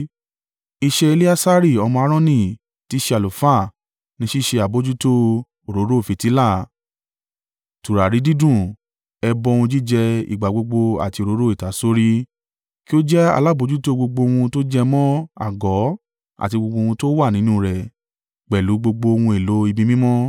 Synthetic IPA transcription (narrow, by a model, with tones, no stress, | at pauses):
i˧ʃɛ˧e˧li˦a˦sa˦ɾi˦˨ɔ˧mɔ̃˧a˧ɾɔ̃˦nĩ˦˨ | ti˨˦ʃe˧a˨lo˨fa˦˨ | nĩ˧ʃi˦˨ʃe˧a˨bo˨˦d͡ʒu˦to˦ | o˨ɾo˨˦ɾo˦˨fi˨ti˨˦la˦˨ | tu˨ɾa˨ɾi˨˦di˦dũ˦˨ | ɛ˧bɔ̃˧˦˧ũ˧d͡ʒi˦˨d͡ʒɛ˧ḭ˨ɡ͡ba˨ɡ͡bo˧ɡ͡bo˧a̰˨ti˧o˨ɾo˨˦ɾo˦i˨ta˨˦so˦ɾi˦ | ki˦o˦d͡ʒɛ˦a̰˧la˦˨bo˨˦d͡ʒu˦to˦ɡ͡bo˧ɡ͡bo˧w̃ũ˧to˦d͡ʒɛ˦˧mɔ̃˦a̰˦˨ɡɔ˨˦ | a̰˨ti˧ɡ͡bo˧ɡ͡bo˧wũ˧to˦wa˦˨nĩ˨˦nũ˦˨ɾɛ˨ | k͡pɛ˨lu˨˦ɡ͡bo˧ɡ͡bo˧wũ˧e˨lo˨˦i˧bĩ˧mĩ˦mɔ̃˦